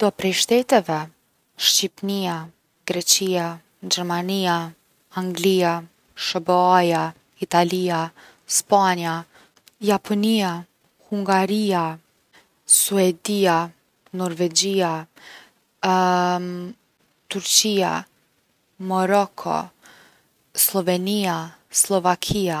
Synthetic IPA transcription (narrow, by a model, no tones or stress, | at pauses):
d̪̥ɔpɾɛjʃt̪ɛt̪ɛvɛ | ʃt͡ɕipnia | ɡɾɛt͡ɕia | d͡ʑɛɾmania | aŋɡlia | ʃəbɔaja | it̪alia | spaɲia | japʰɔnia | huŋɡaɾia | suɛd̪ia | nɔɾvɛd͡ʑia | t̪uɾt͡ɕia̰ | mɔɾɔkʰɔ̰ | slˠɔvɛniaslˠɔvakʰia